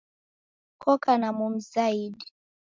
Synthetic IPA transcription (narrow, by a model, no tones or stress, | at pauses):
kɔkanamum̩zaidi